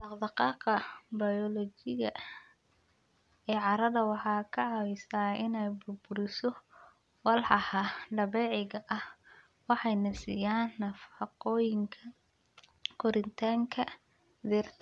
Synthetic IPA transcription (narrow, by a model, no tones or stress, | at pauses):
d̪ɑqd̪ɑqɑːqɐbɐjɔlɔt͡ʃɪɣɐ | ɛːʕɑɾɐðɐwɑħɑːkʰɐʕɑwɪsaːɪnɛjbʊrbʊɾɪsɔ | wɑlħɑhɐɖɐβɛːʕɪɣɐʔɐh | wɑħɑjnɐsḭjaːnːɐfɑqɔːjɪŋkʰɐ | kʰʊɾɪnt̪ʰaːŋkʰɐ | d̪iːrt̪ʰ